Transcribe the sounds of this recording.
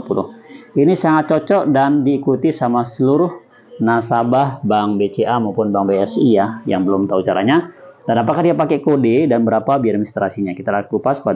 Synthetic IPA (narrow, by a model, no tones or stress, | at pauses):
pulʊ̰hinisaŋat̪̚t͡ʃɔt͡ʃɔʔdandiːkut̪isamasəluɾʊh | nasabahbaŋbet͡ʃeʔamaupʊnbaŋbeɛsiaja̰ŋbəlʊmt̪aut͡ʃaɾa̰ɲadanapakadiapakɛkodidanbəɾapabiaɾmist̪ɾasiɲakit̪alak̪lupaskəa